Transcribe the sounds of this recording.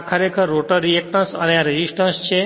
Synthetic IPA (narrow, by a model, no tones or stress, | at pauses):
kʰəɾekʰəɾːoʈəɾɾiekʈə̃sə̰ñeaɾed͡ʑisʈənst͡ɕʰe